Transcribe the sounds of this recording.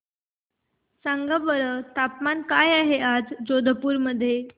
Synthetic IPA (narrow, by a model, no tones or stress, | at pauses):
saŋɡaʋəɭət̪apmankajaɦead͡zd͡ʑod̪ʱəpuːɾməd̪ʱːje